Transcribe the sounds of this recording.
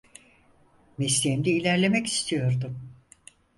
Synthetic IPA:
mɛslʲiɛmd̪ɛilʲæɾlʲe̞mɛci̥st̪ʰijo̞ɾd̪ʊm

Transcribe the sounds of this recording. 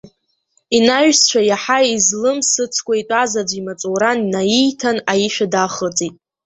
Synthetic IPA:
inaʒᶣst͡ʃʷʰajaħaizlɨmsɨt͡sʰkʷʰʼaitʼazad͡ʒʷimat͡sʷʼowɾaninajijtʰanajiʃᶣadaχət͡sʼitʼ

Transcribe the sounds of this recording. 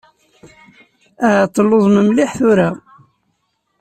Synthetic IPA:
æt̪ˤːəlːoðˤməmliħθʊɾa

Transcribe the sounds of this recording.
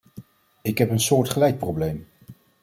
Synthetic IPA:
ɪkɦɛpənsʊːɹtχəlɛjt̚prowblejm

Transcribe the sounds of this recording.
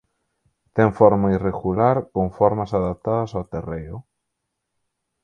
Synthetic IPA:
t̪ɛŋfɔɾmaireɣulaɾkoŋfɔɾmasaðap̚t̪aðɐsawt̪erejʊ

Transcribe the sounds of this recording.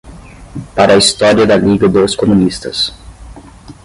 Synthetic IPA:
paɾɐːist̪ɔɾiɐd̪ɐliɡɐd̪oskomũnist̪ɐ̰s

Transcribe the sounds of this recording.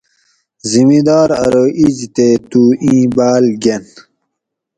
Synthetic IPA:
zimid̪ɑːɾɐ̰ɾoʔid͡ʑt̪et̪uːʔĩːbaːlɡen

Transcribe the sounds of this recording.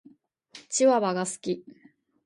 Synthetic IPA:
t͡ɕiβaβaɡasɨ̥kʲi

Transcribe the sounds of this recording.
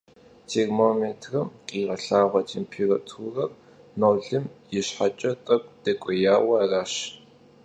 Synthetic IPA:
tʰermoːmetʰrɐmqʼiːʁɐɬaːʁʷɐt͡ʃʰʼimpʰiːrɐtʰuːrɐr | noːwɮɨmjɪɕħat͡ʃʼɐtʼɐkʷʼd̥ɛkʷʼɔjaːwɐaraːɕ

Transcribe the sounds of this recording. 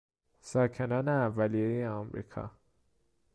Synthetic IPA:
sɑːkʰenɑːneævːælijejeɒmɾḭːkʰɒ̰

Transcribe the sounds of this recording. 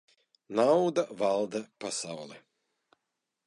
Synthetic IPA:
naud̪avalˠd̪apasawlɛ

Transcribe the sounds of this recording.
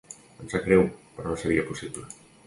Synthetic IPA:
ansakɾewpeɾɔnõnseɾiɐposiβlɪ

